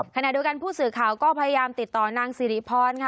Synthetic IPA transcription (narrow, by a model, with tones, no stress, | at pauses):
kʰa˧na˨˩ʔdi˧əwka˧npʰuː˥˩sɯː˨˩kʰaː˨˩wkɔː˥˩pʰa˧ja˧jaː˧mt̪i˨˩t̪ːɔː˨˩naː˧ŋsiː˨˦ɾi˦˥pʰɔː˧nkʰa˥